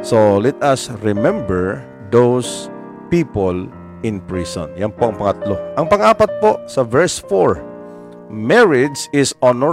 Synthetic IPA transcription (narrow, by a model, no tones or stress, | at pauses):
solɛt̪ɐsɹɪmɛ̃mbɛɹ | d̪ows | piːpol | ʔɪ̃npɹisɔ̰̃njɐnpoʔɐŋpɐŋɐt̪loʔɐŋpɐŋaːpɐt̪̚poʔsɐvɛɹsfoɹ | mɛɹɪd̪sɪsɔnɔ